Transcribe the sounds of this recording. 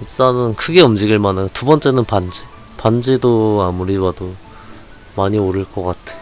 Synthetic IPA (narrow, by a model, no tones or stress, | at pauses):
it͈anɯnkʰɯɡe̞ʌmd͡ʑiɡiɭmanaotubʌnt͡ɕ͈e̞nɯnpand͡ʑi | pand͡ʑidoamuɾibado | maɲioɾɯɭk͈ʌk͈atʰe̥